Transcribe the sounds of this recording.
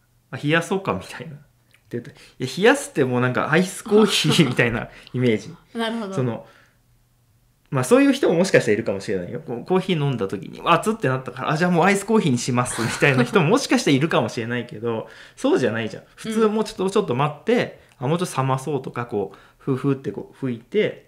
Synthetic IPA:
açijaso̞ːkamʲi̥t̪ʰaina | t̪ːejɯ̟t̪ːo | ijaçijasɨ̥t̪ːe̞mo̞ːnãŋka̰ʔaisɨ̥ko̞ːçiːmʲit̪aina̰ime̞ːʑinaso̞no̞ | maso̞ːjɯ̟ːçi̥t̪o̞momo̞ɕi̥kaɕit̪aɾiɾɯ̟kamo̞ɕiɾe̞na̰ḭjo̞̰koko̞ːçiːnõ̞nd̪at̪o̞kʲḭɲ̟ḭβat͡sɨt̪ːe̞nat̪ːakaɾa̰ʔd͡ʑaːmo̞ːaisɨ̥ko̞ːçiːɲ̟iɕimasɨmʲit̪ainaçi̥t̪omo̞moɕi̥kaɕi̥t̪aɾiɾɯ̟kamo̞ɕiɾe̞naike̞d̪o̞so̞ːʑanaiʑã̰ɸɯ̟t͡sɨːmo̞ːt͡ɕot̪ːot͡ɕo̞t̪ːo̞mat̪ːe̞ | amoːt͡ɕot̪ːsamaso̞ːt̪okako̞ː | ɸɯ̟ːɸɯ̟ːt̪ːe̞koːɸɯ̟it̪e̞

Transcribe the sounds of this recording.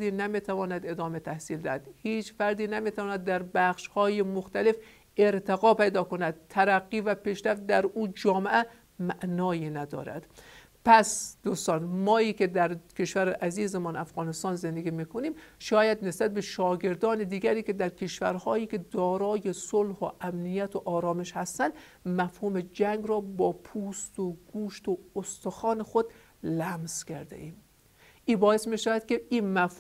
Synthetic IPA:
d̪iːnæmit̪ʰævɒːnæd̪ed̪ɒːme̞t̪ʰæhsiːld̪æhæd̪̥hiːt͡ʃfæɾd̪iːnæmit̪ʰævɒːnæd̪ːæɾbæxʃhɒːjemoxt̪ælef | eɾt̪ʰeɣɒːpejd̪ɒːkonæd̪̥̚t̪ʰːæɾæɡːiːvæpiːʃɾæft̪̚d̪æɾʔuːd͡ʒɒːmeʔæ | mæʔnɒːjiːnæd̪ɒ̰ːɾæ̰d̪̥ | pʰæsd̪ust̪ɒːnmɒːiːkʰed̪æɾkʰe̞ʃvæɾeʔæziːzemɒːnæfɣɒːnest̪ɒːnzend̪eɡiːmiːkʰoniːmʃɒːjæd̪ne̞sbæt̪̚be̞ʃɒːɡe̞ɾd̪ɒːned̪iːɡæɾiːke̞d̪æɾkʲʰe̞ʃvæ̰ɾhɒːjiːkʲe̞d̪ɒːɾɒːjesolhoʔæmnijæt̪ʰoʔɒːɾɒːme̞ʃhæst̪ænd̪mæfhumed͡ʒæŋɡɾɒːbɒːpʰuːst̪oɡ̥uːʃt̪oost̪oxɒːne̞xod̪ | læmzkʰæɾd̪ḛʔiːm | ʔiːbɒːje̞smiʃævæd̪kʲeiːnmæf

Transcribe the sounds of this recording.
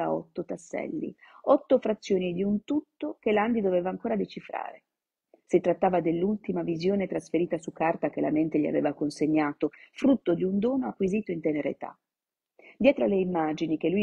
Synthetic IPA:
a̰ɔ̰t̪ːot̪asːɛ̰lːḭɔt̪ːofɾat̪sːjoːnid̪iunt̪ut̪ːokeland̪id̪oveːvaːŋkoːɾad̪et͡ʃifɾa̰ːɾe | sit̪ɾat̪ːaːvad̪elːult̪imavizjoːnet̪ɾasfeɾiːt̪asukːart̪akela̰ment̪eʎia̰vḛːvakonseɲːaːt̪ofɾut̪ːod̪iund̪ɔːnoakːwiziːt̪oint̪eneɾḛt̪a̰ | d̪jɛːt̪ɾoaleimːad͡ʒinik̟eluj

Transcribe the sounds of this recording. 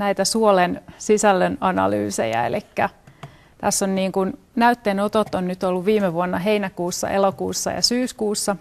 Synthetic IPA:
næit̪æsuolensisælːønɑnɑ̰ly̰ːsḛjɑ̰ḛlikːæ | t̪æsːonniːŋkun | næyt̪ːenot̪ot̪ːonnyt̪olːuʋʋiːmeʋuonːɑɦeinækuːsːɑ̰ʔelokuːsːɑ̰jɑ̰syːskuːsːɑ

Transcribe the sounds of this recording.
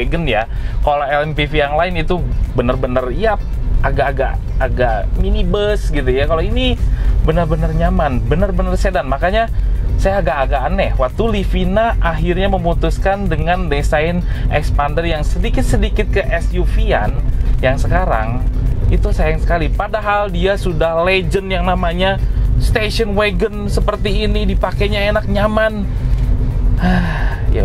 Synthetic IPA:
eɡənjakolaɛlɛmpifijaŋlaɪnit̪ubənərbənəriap̚aɡaːɡa̰ʔ | aɡaʔminibəsɡit̪ujakaloinibənərbənərɲamanbənərbənərsedanmakaɲasajaɡaʔːɡaanɛwak̚t̪ulifinaʔaɦirɲaməmut̪uskandəŋandesaɪnʔɛkspandərjaŋsədikɪt̪̚sədikɪt̪̚kəʔɛsjufia̰njaŋsəkaɾa̰ŋit̪usaɪnsə̥kalipadaɦaldiasudahled͡ʒənjaŋnamaɲast̪eʃənweɡənsəpərt̪iːnidipakeɲaenak̚ɲaman | ahja̰

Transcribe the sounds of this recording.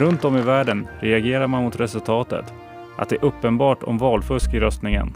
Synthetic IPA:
ɾɵnt̪̚d̪ɔmɪvæːɖənɾɛaɡeːɾaɾmanmʊt̪ɾɛsɵlt̪ʰɑːt̪ə̰t̪ | ʔa̰t̪̚d̪ɛʔɵpːənbɑːʈɔ̰mvɑːlfɵʂkɪɾœst̪nɪŋə̰n

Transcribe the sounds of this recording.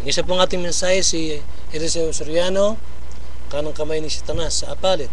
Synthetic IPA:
ŋisap̬uŋaːt̪ɪŋmɛnsahɛsi | hɛɾeseosoɾjano | kanaŋkɐmajnisɐt̪anasːaapalɪt̪̚

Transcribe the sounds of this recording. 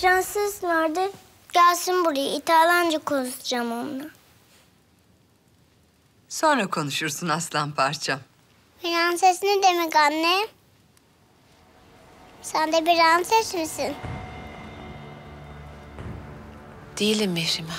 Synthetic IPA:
fɾansɯznaɾd̪ɯ | ɟ̥aːsɯnbuɾijit̪ʰaːlˠand͡ʒɯkʰonut̪ʰud͡ʒamond̪a | so̞nɾakʰo̞nuʃuɾsunaslˠanpʰaɾt͡ʃʰa | biɾansesinid̪emikanːɛ | sænd̪ɛbiɾansesmisin | d̪̥ejilʲimːeʃima

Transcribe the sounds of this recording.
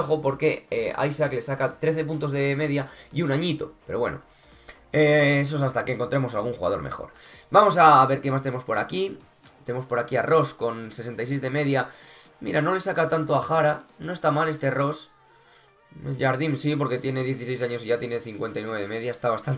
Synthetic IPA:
oxo̞po̞ɾke̞ea̰jsakle̞sakat̪ɾe̞θe̞p̬unt̪o̞zðe̞me̞ðjaiunaɲit̪ope̞ɾo̞βwe̞̰no̞̰ | ees̬oesast̪ake̞ŋkont̪ɾe̞mo̞salɣ̞uŋxuɣa̰ð̞o̞ɾmḛxo̞̰ɾbamo̞saβe̞ɾke̞mast̪emo̞spo̞ɾaki | t̪enemospo̞ɾakiaro̞sko̞nse̞se̞nt̪ajsejzðe̞me̞ðjamḭɾano̞le̞sakat̪ant̪o̞axaɾano̞est̪amale̞st̪ero̞s | ʝaɾðinsipo̞ɾke̞t̪je̞ne̞ðje̞θise̞jsaɲo̞s̬iʝat̪jene̞θiŋkwe̞nt̪ajnwee̞eme̞ð̞jaest̪aβast̪ant̪

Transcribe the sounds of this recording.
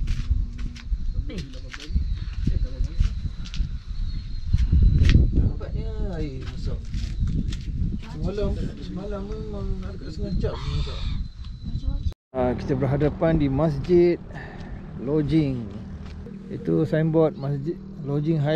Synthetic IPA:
abaʔɲəaimasɔʔ | səmalamsəmalammaŋadkaʔsəŋat͡ʃaʔsəŋat͡ʃaʔ | aki̥t̪abərɦadapandimas̬d͡ʒit̪̚ | lod͡ʒɪŋ | ḭt̪usaimbɔt̪̚masd͡ʒit̪ | lod͡ʒiŋɦa

